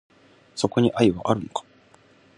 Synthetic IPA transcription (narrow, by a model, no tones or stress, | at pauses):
so̞ko̞ɲ̟iʔaiβa̰ʔaɾɯ̟nokḁ